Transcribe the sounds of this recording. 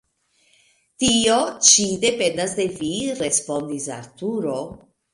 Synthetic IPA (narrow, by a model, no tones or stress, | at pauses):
tio̞t͡ʃide̞pe̞ndas̬de̞viɾe̞spo̞ndisa̰ɾtuɾo̞